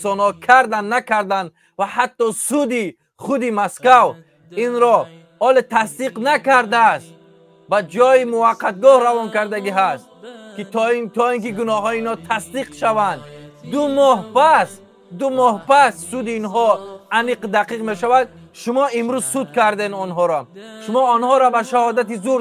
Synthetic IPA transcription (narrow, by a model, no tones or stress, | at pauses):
sɔnɔkʰaɾd̪anːakʰaɾd̪and̪ | vahat̪ːɔsud̪i | χud̪imaskav | inɾɔ | ɔlet̪ʰasd̪iqnakaɾd̪ast̪ | bad͡ʒɔjimuvaqːat̪̚ɡɔhɾavɔnkaɾd̪aɡiɦast̪̚kit̪t̪ʰɔiŋkiɡunɔɦɔiːnɔt̪ʰasd̪iqʃavand̪d̪umɔhpas | d̪umɔhpasːud̪iːnɦɔaniqd̪aqiqme̞ʃavad̪̚ | ʃumɔimɾuzsud̪kaɾd̪enɔnɦɔɾɔʃumɔɔnhɔɾɔbaʃahɔd̪at̪̬izuɾ